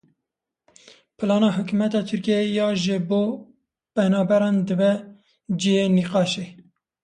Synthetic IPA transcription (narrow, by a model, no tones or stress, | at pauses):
pʰɨlɑːnɑːɦɨkumɛt̪ɑːt̪ʰɨɾkijɛjɑːʒɨboː | pɛnɑːbɛɾɑːnd̪ɨbɛ | d͡ʒijeniːqɑːʃeː